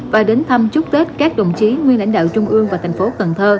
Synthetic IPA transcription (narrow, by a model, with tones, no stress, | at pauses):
vaː˨˩ɗe˨˦nt̪ʰə˧mt͡ɕʊ˦˥k͡p̚t̪e˦˥t̚kaː˦˥k̚ɗo̰˧˨wŋ͡mt͡ɕi˨˦ŋwi˧ənla̰˧˥jŋ̟ɗa̰ː˧˨wt͡ɕʊ˧ŋ͡mʔɨ˧əŋvaː˨˩t̪ʰjŋ̟fo˨˦kə˨˩nt̪ʰəː˧